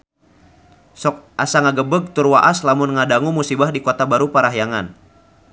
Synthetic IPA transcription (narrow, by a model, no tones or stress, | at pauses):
sɔk̚ʔasaŋaɡəbəɡ̚t̪ʊrwaʔaslamʊnŋadaŋumusibahdikot̪abaɾupaɾaɦjaŋan